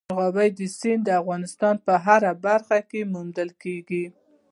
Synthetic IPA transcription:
ɣɑbajd̪əsind̪əafɣɑnɪst̪ɑnpəɦaɾabaɾxakemʊmd̪əlkeɡi

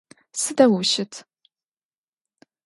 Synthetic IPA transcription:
sɨdɐwʊʃɪtʰ

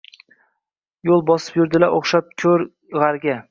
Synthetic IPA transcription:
jolˠbɒsɪ̥pjʊɾd̪ɪlaʔoχʃap̚kʲʰɵɾ | ʁaɾɡʲa

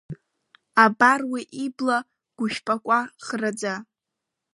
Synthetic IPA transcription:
abarwiʔibla | ɡ̥ʷʊʃᶣpʼakʷʼaχrad͡za

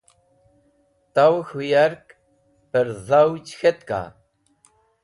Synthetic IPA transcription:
t̪awxujaɾk | pəɾzawt͡ʃxet̪ka̰

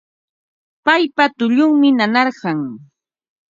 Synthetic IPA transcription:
pajpat̪ʊʎʊŋmɪnanɑɾɢɑŋ

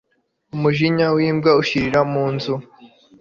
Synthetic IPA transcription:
umuʒiɲawiːmbɡauʃiɾiɾamuːnzu

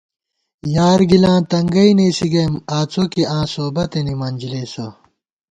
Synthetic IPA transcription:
jaːɾɡilãːt̪ɐŋɡɐineːsiɡemaːt͡sʰokiãːsoːbɐt̪enimɐnʲd͡ʑileːso

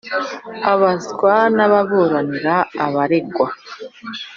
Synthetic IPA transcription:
aβazɡwanaβaβoːɾaniɾaːβaɾe̞ɡwa

